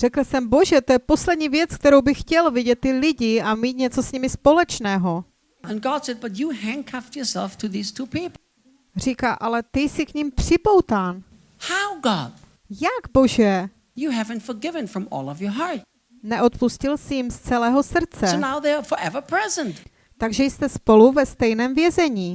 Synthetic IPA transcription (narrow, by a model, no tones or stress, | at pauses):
r̥ɛkl̩sɛmboʒɛt̪o̞jɛpo̞slɛd̪ɲiːvjɛt͡sk̚t̪ɛɾo̞wbɪxcɛlvɪɟɛt̪ːɪlɪɟɪamiːt̪̚ɲɛt͡so̞sɲɪmɪspo̞lɛt͡ʃnɛːɦo̞ | ə̃nɡɑd̥sɛd̚bʌt͡ʃɨɦæ̃ŋkʰaftjɔ˞sɛ̰lˠftʰɨðiz̥tʰupʰipl̩ | r̝iːkaːʔalɛt̪ɪsɪkɲɪmpr̥ɪpo̞wt̪aːn | haʊɡɑd̥ | jaɡbo̞ʒɛ | jɨɦævɨ̃ntfə˞ɡɪvɨ̃nfɹʌ̃mɔ̰lˠʌvjə˞ɦɑɹt̚ | nɛʔo̞t̪puscɪlsɪjɪmst͡sɛlɛːɦo̞sr̩t͡sɛonaʊðeəfə˞ʔɛvə˞pʰɹ̥ɛzə̃nt | t̪aɡʒɛjst̪ɛspo̞luvɛst̪ɛjnɛːmvjɛzɛɲiː